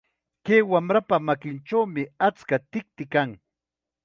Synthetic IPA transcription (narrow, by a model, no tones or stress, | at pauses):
keːwamɾapamakɪnt͡ʃawmɪat͡skat̪ɪk̚t̪ɪkaŋ